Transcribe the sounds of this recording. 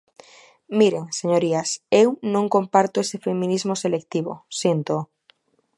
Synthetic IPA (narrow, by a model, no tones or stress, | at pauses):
miɾeŋseɲoɾiasewnõŋkõmpaɾt̪oesefemĩnizmoselek̚t̪iβo̰sjent̪o